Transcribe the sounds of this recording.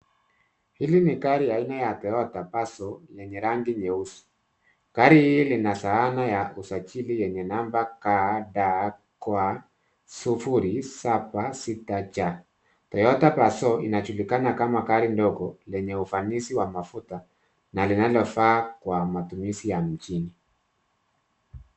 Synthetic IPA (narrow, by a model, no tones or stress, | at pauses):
hilinikaɾiainajatɔjɔtapasɔjɛɲɛɾaŋɡiɲɛusu̥ | kaɾihilinasaanajausat͡ʃilijɛɲɛnambakadakwa | sufuɾisabasitat͡ʃa | tɔjɔtapasɔinat͡ʃulikanakamakaɾindɔɡɔlɛɲɛufanisiwamafuta | nalinalɔfaːkwamatumisijam̩t͡ʃini